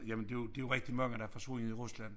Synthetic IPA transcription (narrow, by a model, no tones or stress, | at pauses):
jæmənd̥e̝jd̥e̝joʁɛɡ̥̚d̥imɑ̈ŋ̰əd̥ɑfɒ̽t͡sʰʋo̝ːniiʁuslæn̰